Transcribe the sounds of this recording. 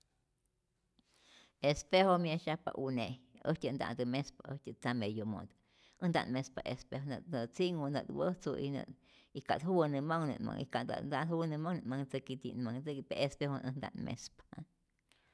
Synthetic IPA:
espehomiaʃapa̰ʔuneəhtʲənd̪a̰ʔnd̪əmespaəhtət͡samejomo̰d̪ | ənd̪a̰nmespaʔespehonət̪nət͡siŋonət̪wəht͡suʔḭnə̰ | ika̰t̪huwənɨmaŋnɨ̰nma̰ŋʔḭkand̪a̰d̪ahuwənəmaŋnɨmaŋt͡səkit̪ḭnmaŋt͡səkipeʔespehonʔənd̪a̰nmʔḛspa

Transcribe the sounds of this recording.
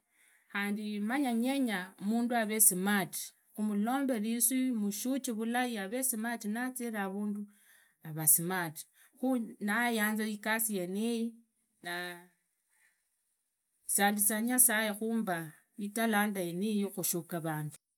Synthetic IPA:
xaːndimaɲaɲeɲamuːnduaβe̞simati̥ | xumulo̞ːmbe̞liswimuʃut͡ʃiβulajiaβe̞simatinat͡siɾaβuːndu | aβasimati̥ | xunajaːnzaikasijeniji | na | saːndisaɲasajexuːmba | italaːndajenijixuʃukaβaːndu

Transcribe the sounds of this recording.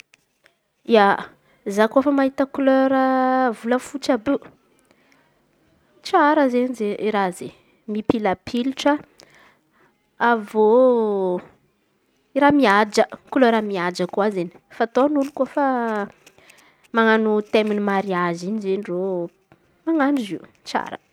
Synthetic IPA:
ia | zakuafəmaɦit̪əkløɾəvuləfut͡ʃabe | ʈ͡ʂaɾəzenizeiɾaze | mipilapʰiliʈ͡ʂə | avo | iɾamiad͡ʒəkuløɾamiad͡ʒəkuazeni̥fat̪onulukuafa | maŋanut̪eminimaɾiazinizeniro | maŋanuziu | t͡sa̰ɾə̰

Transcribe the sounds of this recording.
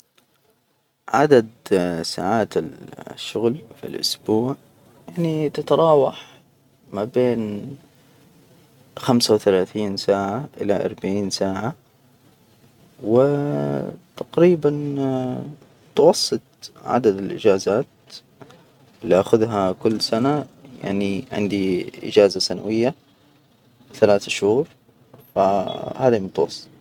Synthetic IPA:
ʕa̰d̪ad̪sa̰ːʕaːt̪ɪlʃːʊɣlfḭlʔʊ̰sbuːʕ | jaʕnit̪ɪt̪ɑɾˤɑːwɑħ | mabeːn | xamsawθalaːθiːnsaːʕaʔɪ̰laʔɑ̰ɾˤbaʕiːnsaːʕa | wɪ | t̪aqɾiːban | t̪wɑsˤːɨt̪̚ˤʕa̰d̪ad̪ɪlʔɪ̰d͡ʒaːzaːt̪ | lːiʔaːxʊðɦakʊlːsanaja̰ʕniʕɪ̰nd̪iʔɪ̰d͡ʒaːzasanawɪjːa | θalaːθaʃhuːɾ | fahaːd̪imʊt̪wɑsˤːɨ̥t̪ˤ

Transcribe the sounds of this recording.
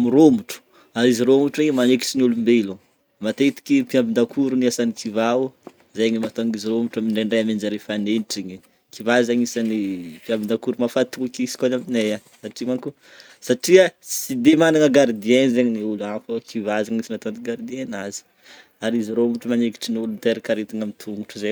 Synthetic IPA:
miɾomuʈ͡ʂu̥ | aɾiziɾomuʈ͡ʂiɲimaneki̥ʈ͡ʂinulumbelo | mat̪et̪i̥kipiambid̪akʰuɾuniasanikʰivau | zajɲimat̪oŋiziɾomuʈ͡ʂamiɳɖ͡ʐaɳɖ͡ʐajamend͡ʒaɾefaneniʈ͡ʂiɲi | kivazaɲisanipiambind̪akuɾumafat̪uakisi̥kanamineja | saʈ͡ʂimaŋku | saʈ͡ʂiasid̪emanaŋəɡaɾd̪ienizeɲiniuluafəkʰivazaŋɲisinat̪ant̪iɡaɾd̪ienazi̥ | aɾiziɾomuʈ͡ʂəmaneki̥ʈ͡ʂinulunt̪eɾikaɾet̪iŋamit̪ʰuŋuʈ͡ʂuze

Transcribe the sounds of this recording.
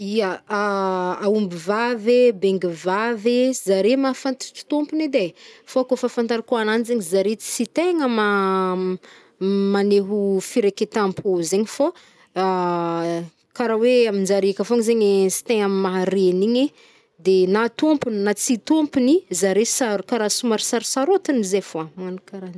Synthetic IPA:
ijaaaumbivavebeŋɡivavezaɾemafant̪i̥ʈ͡ʂi̥t̪ompuned̪efoakofafant̪aɾikoananizeɲizaɾet͡st͡sit̪eŋəma | maneɦufiɾeket̪ampʰuzeɲifo | kaɾaweaminzaɾikafoŋzeɲesi̥t̪eŋammaɾeniɲe | d̪enat̪ompunnat͡sit̪ompunizaɾesaɾkaɾasumaɾisaɾisaɾot̪inizefoamanakaɾan

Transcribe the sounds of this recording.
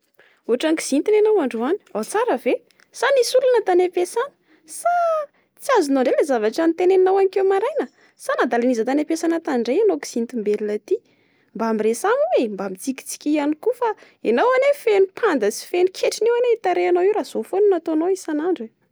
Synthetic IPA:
uaʈ͡ʂaŋki̥z̥int̪inenowaɳɖ͡ʐuani̥awt͡saɾəve | sanisulanət̪anepesanə̥ | sa | t͡siazunaɳɖ͡ʐelezavaʈ͡ʂanit̪eneinawanikewmaɾajnə | sanad̪alanizət̪anepesanət̪aɳɖ͡ʐejanoki̥z̥int̪imbelinlat̪i | mbaamiresamuwembamit͡siki̥t͡si̥kʲianikufa | enawanefenipʰand̪əsi̥fenikʰeʈ͡ʂinewaneit̪aɾeanowiwɾaz̥ofonunat̪oanoisanaɳɖ͡ʐe

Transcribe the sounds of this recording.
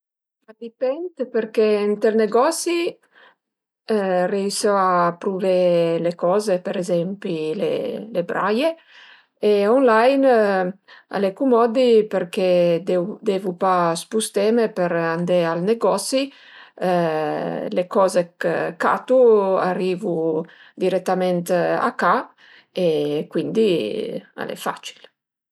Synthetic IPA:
ad̪ipɛnt̪peɾkeɛnt̪elneɡɔsi | reisɔapɾuvelekɔːzepeɾezɛmpilḛlebɾaje | eɔnlajn | a̰lekumɔd̪ipeɾked̪d̪evupaspust̪ɛmepeɾand̪ealneɡɔsi | lekɔːzekka̰t̪uarːiːvu | d̪iɾɛt̪ːamɛnt̪a̰ka | ekwind̪i | a̰lḛfa̰t͡ʃi̥l

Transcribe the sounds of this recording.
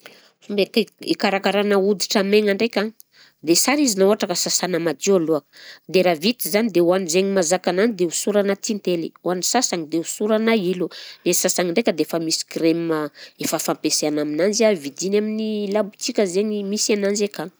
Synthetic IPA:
fumbekekaɾakaɾanəud̪iʈ͡ʂəmeŋaɳɖ͡ʐekʲa | d̪esaɾizinauaʈ͡ʂakəsasanəmad̪ialuakə̥d̪eɾavit̪izanid̪euanizeŋimazakananid̪eusuɾanat̪int̪eliuanisasaŋid̪eusuɾanailunesasaŋiɳɖ͡ʐekʲəd̪eefəmisi̥kɾeməefəfampeseanaminanziavid̪inaminilabut͡sikʲəzeɲimisanand͡ʒekaŋ

